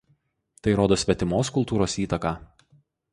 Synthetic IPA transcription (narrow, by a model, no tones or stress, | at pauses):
t̪ɐɪɾoːd̪oːsʲʋʲɛt̪ʲɪmoːskʊlˠt̪uːɾoːsiːt̪ɐkaː